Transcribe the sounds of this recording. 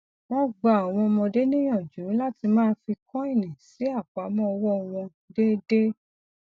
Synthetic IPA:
mɔ̃˧ɡ͡ba˨a˨w̃ɔ̃˧mɔ̃˧de˦nĩ˦j̃ɔ̃˦˨d͡ʒũ˨˦la˦ti˧mãː˦fi˧kɔ̃˦i˦˨nĩ˨si˨˦a˦˨k͡pa˨˦mɔ̃˦ɔ˧wɔ˦˧w̃ɔ̃˧ | de˦de˦

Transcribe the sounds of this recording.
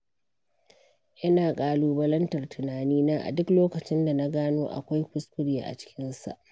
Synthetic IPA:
ʔɪ˦naː˨kʼaː˨luː˦bɐ˦lɐ˦ntɐ˨rtʰʊ˨naː˨niː˦naː˦ʔa̰˨dʊ˦kloː˦kɐ˨t͡ʃɪ˦nda˨na˦ɡaː˦noː˦ʔa̰˨kʷa˦jkʊ˦skʷʊ˦ɽja̰ː˨ʔa̰˨t͡ʃɪ̥˦kʲɪ˦nsa̰˨ʔ

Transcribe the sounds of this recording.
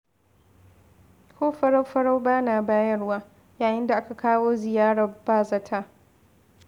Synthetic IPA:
kʷoː˦ɸɐ˦ɽa˦wɸɐ˦ɽa˦wbaː˦naː˨baː˦jɐ˦rwaː˦ | jaː˨jɪ˦nda˨ʔa˦ka˨kaː˦woː˦zɪ˨jaː˦ɽaː˨baː˦˨zɐ˦tʰa˦

